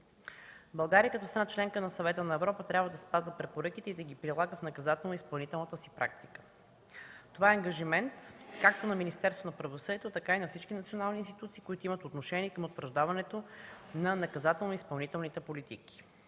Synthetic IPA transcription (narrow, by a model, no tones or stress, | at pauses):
bɐlˠɡaɾiəkɐt̪ɔst̪ɾnat͡ʃlɛŋkənɐsɐvɛt̪ənɐɛvɾɔpət̪ɾʲabvəd̪ɐspazvəpɾɛpoɾɤkit̪ɛid̪ɐɡipɾilˠaɡəfnɐkɐzat̪ɛlˠnoispɐlˠnit̪ɛlˠnət̪əsi̥pɾʔa̰k̚t̪i̥kə̥ | t̪ovaɛɐŋɡɐʒimɛnt̪kak̚t̪onɐminist̪ɛɾst̪vonɐpɾɐvosɤd̪iɛt̪ot̪ɐkainɐfsit͡ʃkinɐt̪sionalˠniːnst̪ʲit̪ut̪siːkʊit̪oimət̪ot̪noʃɛnʲiɛkəmot̪vəɾʒd̪avɐnɛt̪onɐnɐkɐzat̪ɛlˠnoispɐlˠnit̪ɛlˠnit̪ɛpolit̪iki̥